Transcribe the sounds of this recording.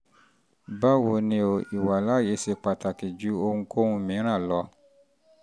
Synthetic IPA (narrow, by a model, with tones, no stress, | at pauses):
ba˦wo˧nĩ˧˦o˧i˨wa˨la˦˨je˨˦se˧k͡pa˨ta˨ki˨d͡ʒu˨˦o˧ŋũ˧kʰo˦ŋũ˧mĩ˨˦ɾ̃ã˦˨lɔ˨˧˦